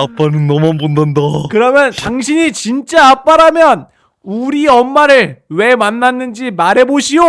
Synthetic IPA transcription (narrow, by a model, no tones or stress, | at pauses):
ap͈anɯnːʌmanbondandakɯɾʌmjʌntaŋɕʰiɲit͡ɕint͡ɕ͈aap͈aɾamjʌn | uɾiʌmːaɾɯɭwe̞manːanːɯnd͡ʑimaɾɦe̞boɕʰijo